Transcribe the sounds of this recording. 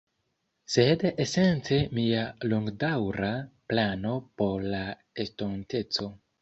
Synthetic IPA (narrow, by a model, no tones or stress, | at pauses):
sedesent͡se̞mialoŋɡdawɾaplano̞po̞ɾla | estonte̞t͡so̞